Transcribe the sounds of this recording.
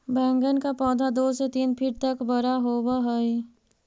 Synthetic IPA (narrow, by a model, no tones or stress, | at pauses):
bɛ̃ːŋɡənkapɔːd̪ʱad̪oːset̪iːnpʰɪʈ̚t̪əkbəɾaɦoːwaɦəi